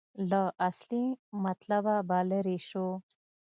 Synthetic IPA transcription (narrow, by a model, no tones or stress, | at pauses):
ləʔaslimat̪lababaleɾiʃo